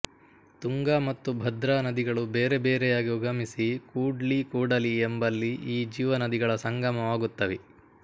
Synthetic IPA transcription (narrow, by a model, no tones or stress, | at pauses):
t̪uŋɡaːmɐt̪ːubʱɐd̪ɾaːnɐd̪iɡɐɭubeːɾebeːɾɛjaːɡiuɡɐmisikuːɖlikuːɽɐliembɐlːiiːd͡ʒiːʋɐnɐd̪iɡɐɭɐsɐŋɡɐmɐʋaːɡut̪ːɐʋi